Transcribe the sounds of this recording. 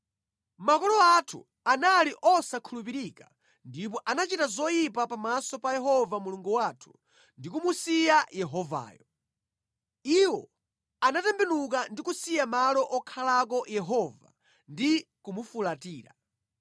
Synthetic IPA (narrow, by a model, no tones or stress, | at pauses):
makɔlɔatʰṵ | analiʔɔsakʰulupiɾika | ndip̬ɔʔanat͡ʃitazɔjipapamasɔpajɛɦɔvamuluŋɡuwaːtʰu̥ | ndikumusijajɛɦɔva̰ːjɔ | iwɔ | anatɛmbɛnuk̬andikusijamalɔʔɔkʰalak̬ɔjɛɦɔva̰ | ndikumufulatiːɾa̰